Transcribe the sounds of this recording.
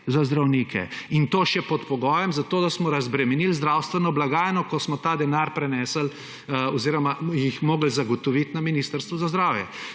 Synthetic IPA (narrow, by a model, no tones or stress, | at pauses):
zazd̪ɾawniːkʰɛ̰int̪oːʃɛpɔt̪pɔɡɔːjɛmzat̪oːd̪asmɔɾazbɾɛmɛnilzd̪ɾaːwst̪ʋɛnɔblaɡaːjnɔkɔsmɔt̪aːd̪ɛnaɾpɾɛnɛːsəl | ɔziːɾɔmajixmoːɡəlzaɡɔt̪ɔʋit̪naminiːst̪əɾst̪ʋuzazd̪ɾaːwjɛ